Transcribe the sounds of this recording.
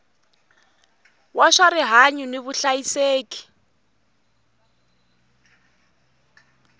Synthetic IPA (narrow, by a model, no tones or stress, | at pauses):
waʂaɾiɦaɲuneβuɬajiseːki̥